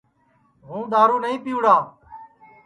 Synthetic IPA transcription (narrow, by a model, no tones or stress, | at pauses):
ɦũːd̪aːɾuːnəɦĩːpiːʊɽaː